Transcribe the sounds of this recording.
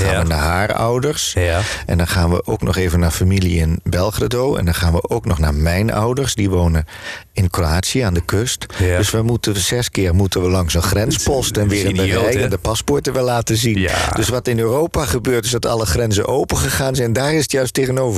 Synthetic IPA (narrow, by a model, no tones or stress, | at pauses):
aːʋənaɦaːrɔ̰wdəɹsʔɛ̰ndɔnχaːnʋə̰ʔo̰wknɔχeːvənaːɹfamiliɪnbɛlˠχradowɛ̰ndɑnχaːnʋə̰ʔowknɔχna̰ːɹmɛjnɔ̰wdəɹsdiʋownəɪnkroaːtsiəaːndəkøstdøsʋəmutəz̥ɛskɪːɹmutənʋəlɑŋsənχrɛnspɔstɛnʋɪːɾəndərɛjəndəpɑspɔɹtəʋɛlaːtəzind̥øsʋɑtɪnøːrowpaχəbøːɹtɪzdɑtɑ̰ləχrɛnzə̰nʔowpənχəχaːnzɛnɛndaːrɪsətjœɥstejɣənowvə